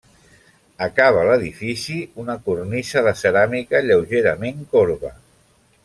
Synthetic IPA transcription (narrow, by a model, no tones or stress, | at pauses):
əkaβ̞aləðifisiunəkurnisəðəsəɾamikəʎəwʒeɾəmeŋkoɾβə